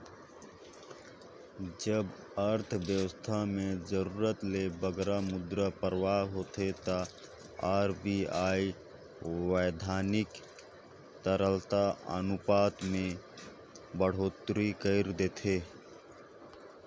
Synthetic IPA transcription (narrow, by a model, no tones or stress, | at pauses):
d͡ʒəb | əɾt̪ʰʋjəwəst̪ʰamed͡ʒəɾuɾət̪lebəɡɾamʊd̪ɾəpəɾwaɦoːt̪et̪ə | aːɾbiai | wəjd̪ʱaːnɪk | t̪əɾəlt̪aə̰nupaːt̪mẽ | bəɽ̤oːt̪ɾikəɪɾd̪et̪ʰe